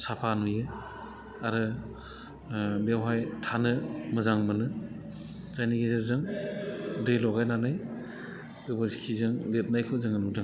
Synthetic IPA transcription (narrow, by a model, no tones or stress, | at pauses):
sapʰanujɯ | aɾɯ | bewɦajtʰanɯmɯzaŋmɯnɯ | z̥ajniɡezaɾzɯŋ | dɯjlɔɡajnanaj | ɯbɯɾkʰizɯŋlet̚najkʰɯzɯŋɯnudɯŋ